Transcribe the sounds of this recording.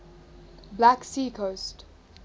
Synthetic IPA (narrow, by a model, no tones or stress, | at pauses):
blæksiːkʰoːsʈ